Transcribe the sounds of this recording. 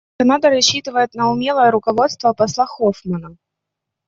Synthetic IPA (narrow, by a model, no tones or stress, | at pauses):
kɐnad̪əɾɐɕːit̪ɨvəjɪt̪nəʊmʲelˠəjəɾʊkɐvo̞t̪st̪vəpɐslˠaxofmənə